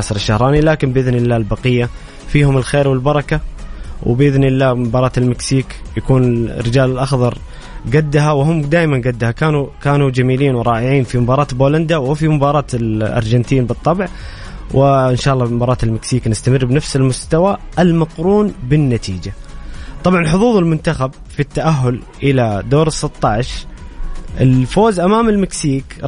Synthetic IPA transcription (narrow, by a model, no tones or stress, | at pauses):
asɑɾˤɪʃːahɾˤɑːnilaːkɪnbɪʔɪðnɪlːaːlbɑqɪjːa | fiːhʊmɪlxeːɾwɪlbɑɾˤɑkawɪ̰bʔɪðnɪlːaːmbɑːɾˤɑːt̪ɪlmɪksiːkjakuːnɪrːɪd͡ʒaːlɪlʔɑxðˤɑɾˤ | ɡad̪ːaɦawɦʊmːd̪aːʔmanɡad̪ːahakaːnukaːnud͡ʒamiːliːnwɪɾˤɑːʔɪʕiːnfimʊbɑːɾˤɑːt̪boːland̪awɪfimʊbɑːɾˤɑːt̪ɪlʔɑ̰ɾˤd͡ʒant̪iːnbɨt̪ˤːɑbʕ | wʔɪɪnʃaːʔɑlˤːɑmʊbɑːɾˤɑːt̪ɪlmɪksiːknɪst̪amɪrːbnafsɪlmʊst̪awaʔɪlmɑqɾuːnbɪnːat̪ʰḭːd͡ʒat̪ˤɑbʕɑnħʊðˤuːðˤɪlmʊnt̪axab | fit̪ːaʔaɦːʊl | ʔɪlad̪oːɾɨsˤːɨt̪ˤːɑʕʃ | ʔɪlfoːzʔamaːmɪlmɪksiːk